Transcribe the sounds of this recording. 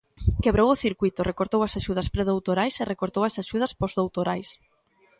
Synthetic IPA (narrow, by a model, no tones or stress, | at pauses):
keβɾowʊθiɾkwit̪ʊrekoɾt̪owɐsaʃuð̞ɐspɾeðowt̪oɾajserekoɾt̪owɐsaʃuð̞ɐspozðowt̪oɾajs